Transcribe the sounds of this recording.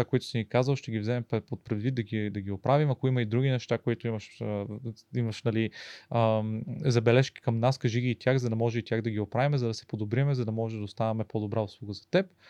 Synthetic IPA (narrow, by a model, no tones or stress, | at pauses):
akoit̪ʊ̥simikazəlˠʃt̪ɛɡʲivzɛmɛmppot̪̚pɾɛd̪vid̪̚d̪ɐɡʲid̪ɐɡʲiopɾavimɐkoimɐid̪ɾuɡʲinɛʃt̪akoit̪ʊimɐʃəimɐʃnɐliəzɐbɛlɛʃkʲi̥kɐmnaskɐʒiɡʲiːt̪ʲjaxzɐd̪ɐmɔʒɛit̪jaɣd̪ɐɡʲiopɾavimɛzɐd̪ɐsɛ̥pod̪obɾiɐmɛzɐd̪ɐmɔʒɛd̪ɐost̪avʲɐmɛpod̪obɾaoslˠuɡəzɐ̥t̪ɛp̚